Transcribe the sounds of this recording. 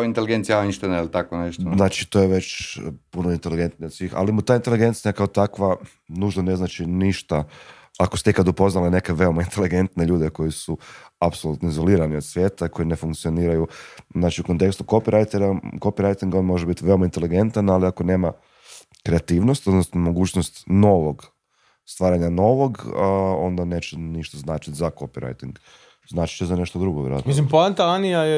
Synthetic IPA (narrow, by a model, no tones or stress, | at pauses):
int̪eliɡent̪sijaoinʃt̪enilt̪akoneʃt̪naːt͡ʃit̪ojeʋe̞t͡ɕpunoint̪eliɡe̞nt̪nio̞d̪sʋiːxa̰limut̪aːint̪eliɡe̞nt̪siakaot̪akʋa | nuːʒnane̞znaːt͡ʃiniʃt̪a | akost̪eikad̪upo̞znalene̞keʋe̞o̞maint̪e̞liɡe̞nt̪ne̞ʎuːd̪e̞ko̞jisuapsolˠut̪noizo̞liːɾaniod̪sʋje̞ːt̪aiko̞jine̞fuŋkt̪sio̞niːɾajuznaːt͡ʃiukont̪e̞kst̪uko̞piɾajt̪eɾako̞piɾajt̪iŋɡo̞nmo̞ʒebit̪iʋe̞o̞maint̪eliɡe̞nt̪analiako̞ne̞ːma | kɾeat̪iːʋnost̪od̪nosnomo̞ɡuːt͡ɕnost̪no̞ʋo̞ɡ | st̪ʋaːɾaɲano̞ʋo̞ɡo̞nd̪ane̞ːt͡ɕeniʃt̪aznaːt͡ʃit̪ʲzako̞piɾa̰jt̪iŋɡ | znaːt͡ʃi̥t͡ɕezane̞ʃt̪od̪ɾuɡoʋjḛɾa̰t̪misimpoant̪aanijaje